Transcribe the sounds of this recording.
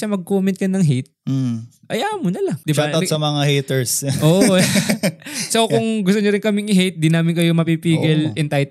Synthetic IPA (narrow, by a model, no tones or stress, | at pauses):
ʃɐmɐɡ̚koːmɛnt̪̚kɐnɐŋɦejt̪̚m̩ʔɐjaːʔmonɐlɐŋd̪ɪbaɐsɐmɐŋahejt̪ɛɹsʔoːʔo | sokʊŋɡʊst̪ʊɲɐɾɪnkɐmɪŋɪɦejt̪̚d̪inaːmɪnkɐjomɐpipiːɡɪlʔɛnt̪ajt̪